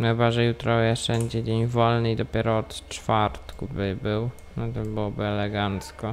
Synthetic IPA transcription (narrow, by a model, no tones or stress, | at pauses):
xɘbaʐɛjut̪ɾɔjɛʂɛɲd͡ʑɛd͡ʑeɲvɔlnɘid̪ɔpʲjɛɾɔɔt̪t͡ʂfaɾt̪kubɘbɘw | nɔt̪ɔbɘwɔbɘɛlɛɡant̪skɔ